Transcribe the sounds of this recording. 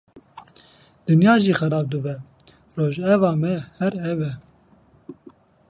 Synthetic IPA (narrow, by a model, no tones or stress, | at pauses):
d̪̥ɨnjɑːʒiːxɛɾɑːb̚d̪ɨbɛ | roːʒɛvɑːmɛhɛɾɛvɛ